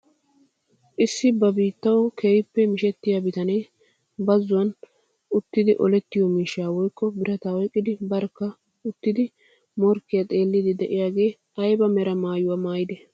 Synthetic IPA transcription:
ʔɪsːɪbɐbiːt̪ːɐwkʰeːjpːɛmɪʃɛt̪ːɪjaːbɪt̪ɐne | bɐzːʊwɐn | ʊt̪ːɪd̪ɪʔɔ̰lɛt̪ːɪjɔmiːʃaːwɔjkːɔbɪɾɐt̪awɔjkʼːɪd̪ɪbɐɾkːɐ | ʊt̪ːɪd̪ɪ | mɔɾkːɪjɐt̪ʼe̞ːlːɪd̪ɪd̪ɛʔɪjaːɡe̞ː | ɐjbɐmɛɾɐmaːjʊwaːmaːjɪd̪ɛ

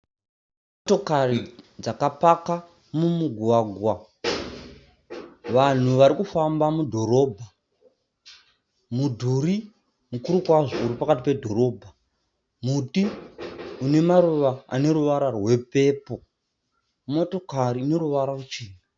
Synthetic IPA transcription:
moto̞karid͡zakapaka | mumuɡʱuwaːɡʱwa | ʋan̤uʋaɾikufambamudʱo̞ɾo̞ːbʱa | mudʱuri | mukuɾukwaʐouɾipakat̬ipe̞dʱo̞ɾo̞ːbʱa | muti | une̞maɾuʋaa̰ne̞ɾuʋaɾarwe̞pe̞ːpo̞ | mo̞to̞karine̞ɾuʋaɾarut͡ʃiːni

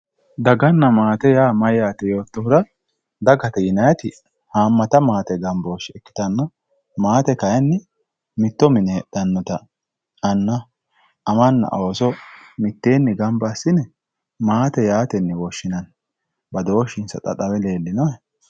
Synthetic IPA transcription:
d̪ɐɡɐnːɐmaːt̪ɛjaːmɐjjaːt̪ɛjo̞ːt̪ːɔhʊɾɐ | d̪ɐɡɐt̪ɛjɪnɐjɐt̪ɪ | haːmːɐt̪ɐmaːt̪ɛɡɐmboːʃɛkːɪ̥t̪ɐnːɐ | maːt̪ɛkɐjɛnːɪ | mɪt̪ːɔmɪnɛd̪̥ɐnːɔt̪ɐ | ɐnːɐː | mɐnːɐ̰ʔoːsɔmɪt̪ːe̞ːnːɪɡɐmbɐsːɪnɛ | maːt̪ɛjaːt̪ɛnːɪwɔʃːɪnɐn | bɐd̪o̞ːʃɪnsɐ̰t̪ʼɐ̰t̪ʼɐwɛle̞ːlːɪnɔɛ

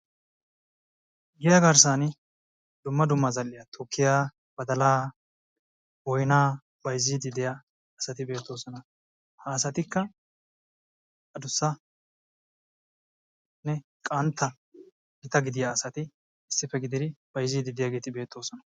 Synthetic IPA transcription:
ɡɪjɐɡɐɾs̬aːnɪ | d̪ʊmːɐd̪ʊmːɐzɐlːɪjɐt̪ʰʊkʰːɪjaː | b̥ɐd̪ɐlaː | bɔjnaː | bɐjzːiːd̪ɪd̪ɪjaː | sɐt̪ɪbe̞ːt̪ːo̞ːsɔnɐ | hɐːsɐt̪ɪkːɐ | ɐd̪ʊsːɐ | nɛ | kʼɐnt̪ːɐ | ɡɪt̪ɐɡɪd̪ɪjaːsɐt̪ɪː | sːɪfːɛɡɪd̪ɪd̪ɪb̥ɐjzːiːd̪ɪd̪ɪjaɡe̞ːt̪ɪbe̞ːt̪ʰːo̞ːsɔnɐ̥

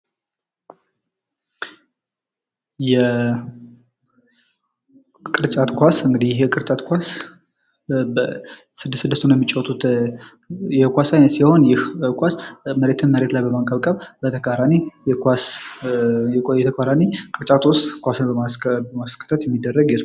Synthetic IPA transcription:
jɛ | kʼɨɾt͡ʃʼat̪kʷasɨŋɡɨd̪ihjjɛkʼɨɾt͡ʃʼat̪kʷas | sɨd̪sɨd̪əst̪ʰunjɛmːit͡ʃʼːɛwɔt̪ʼut̪ | jɛkʷasasiho̞njɪhkʷasməɾe̞t̪ʰɨnməɾe̞t̪lajbəmaŋkʼəβkʼəβbət̪ʰəkaɾanijɛas | jɛt̪ʰəkʰaɾanikʼɨɾt͡ʃʼat̪wʊst̪kʷasɨnbəmaskʰə̥t̪ʰːət̪jɛmːid̪ːərːəɡjɛs

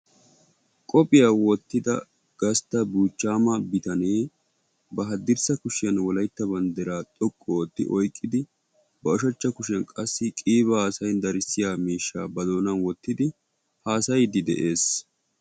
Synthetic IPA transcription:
kʼɔpʼɪjaːwɔt̪ːɪd̪ɐ̰ | ɡ̥ɐst̪ːɐbuːt͡ʃːaːmɐbɪt̪ɐneː | bɐɦɐd̪ɪɾsɐkʊʃɪjɐnwɔlɐjt̪ːɐbɐnd̪ɛɾaːt̪ʼɔkʼːɔt̪ːɪ̰ʔɔjkʼːɪd̪ɪ | bɐɔʃɐt͡ʃːɐkʊʃɪɐnkʼɐsːɪkʼiːβɐhaːsɐjnd̪ɐɾɪsːɪjaːmiːʃːa̰ːbɐd̪o̞ːnɐnwɔt̪ːɪd̪ɪ | haːsɐjd̪ɪd̪ɛ̰ʔe̞ːs

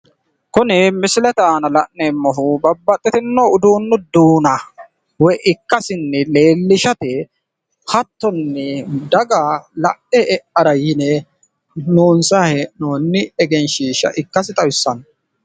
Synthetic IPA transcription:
kʊnɪmɪsɪlɛt̪aːnɐlɐʔnɛmːɔɦʊbɐbːɐt̪ʼːɪt̪ɪnːoʊd̪uːnːʊd̪uːnɐ | wɔjʔɪkːɐsɪnːɪle̞ːlːɪʃɐt̪ɪ | hɐt̪ːɔnːɪd̪ɐɡalɐʔɛʔɛʔɐɾɐjɪnɛ | noːnsaːhɛʔnoːnːɪɛɡɛnʃiːʃɐ̰ʔɪkːɐsɪt̪ʼɐwɪsːɐn

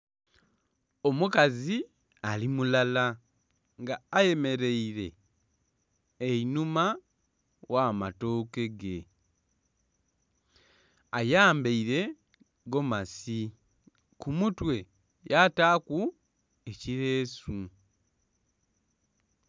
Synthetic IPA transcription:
o̞mukazi | alimulala | ŋɡaːje̞me̞ɾe̞iɾe̞ | inuma | wamato̞ːke̞ɡe | ajaːmbeiɾe̞ | ɡo̞masi | kumutwe̞ | jataːku | eciɾe̞ːsu

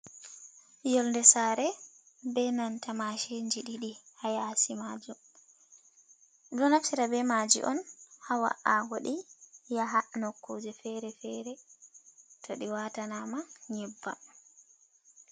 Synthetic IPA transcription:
jɔlndɛsaɾɛ | bɛnantamaʃeɲd͡ʒiɗiɗihajaːsimad͡ʒum | dɔnafsiɾabɛmad͡ʒḭʔɔnhawa̰ʔaɡɔɗijaɦanɔkːod͡ʒɛfɛɾɛfɛɾɛ | tʰɔɗiwatanamaɲɛbːa̰

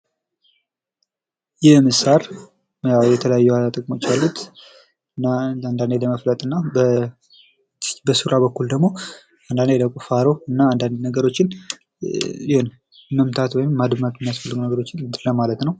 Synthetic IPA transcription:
jɛmɨsaɾ | jawjɛt̪ʰələjajːuaat̪ʼəkʼmo̞t͡ʃːalːut̪ | nːaand̪and̪eləməflət̪ʼɨnːabə | bəsuɾabəkːuld̪əɡmo̞ | and̪and̪ejd̪əkʼufaɾo̞ɨnːaand̪and̪nəɡəɾo̞t͡ʃːɪn | jɪhon | məmt̪ʰat̪wɔjɪmːad̪mat̪mɪnːijasfəlːɨɡənəɡəɾo̞t͡ʃːɪnt̪ɨɾləmalət̪nəw

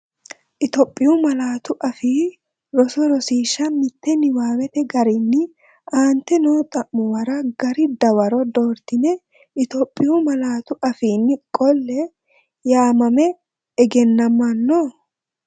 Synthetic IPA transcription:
ʔɪt̪ɔpʼːɪjumɐlaːt̪ʊʔɐfiː | ɾɔsɔɾɔsiːʃɐmɪt̪ːɛnɪwaːwɛt̪ɛɡɐɾɪnːɪ | aːnt̪ːɛnoːt̪ʼɐʔmʊwɐɾɐɡɐɾɪd̪ɐwɐɾɔd̪oːɾt̪ɪnɛ | ʔɪt̪opʼːɪjumɐlaːt̪ʊʔɐfiːnːɪkʼːɔlːɛ | jaːmɐmɛ | ɛɡɛnːɐmːɐnːɔ

